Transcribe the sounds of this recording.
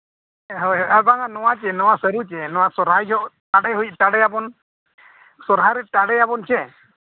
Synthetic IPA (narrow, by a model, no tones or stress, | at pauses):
ɦɔjɦɔabaŋanɔwat͡ʃɛnɔwasəɾut͡ʃɛnɔwasɔɾajɦɔʔʈaɽɛɦujc̚ʈaɽɛjabɔn | sɔɾɦaɾɛʈaɽɛjabɔnt͡ʃɛ